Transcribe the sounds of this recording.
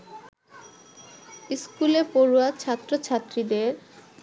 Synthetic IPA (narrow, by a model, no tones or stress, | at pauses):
iskulepoɾuat͡ɕʰat̪ːɾot͡ɕʰat̪ːɾid̪eɾ